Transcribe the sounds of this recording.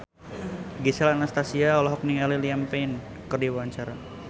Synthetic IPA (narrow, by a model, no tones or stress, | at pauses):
ɡisɛlanast̪asiaɔlɔɦɔk̚niŋaliliampɛjn | kərdiwwaɲt͡ʃaɾa